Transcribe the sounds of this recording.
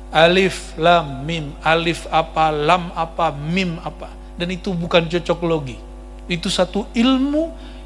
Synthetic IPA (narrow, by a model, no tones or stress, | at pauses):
ʔalɪf | lamːimalɪfapalamapamimapa | danit̪ubukant͡ʃɔt͡ʃɔkloɡi | it̪usat̪uilmu